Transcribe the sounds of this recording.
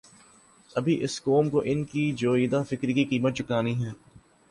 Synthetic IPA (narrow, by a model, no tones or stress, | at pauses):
ɐbʱiʔɪskoːmkoʔɪnkid͡ʒoːiːd̪afɪkɾkiqiːmət̪̚t͡ʃʊkaːniɦɛː